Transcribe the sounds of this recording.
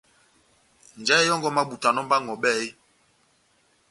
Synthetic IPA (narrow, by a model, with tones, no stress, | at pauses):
n˨d͡ʒɛ˦ɛ˦jɔ˦ŋɡɔ˦ma˦ɓu˨ta˨nɔ˦m˦ba˦ŋɔ˨ɓɛ˦˨i˦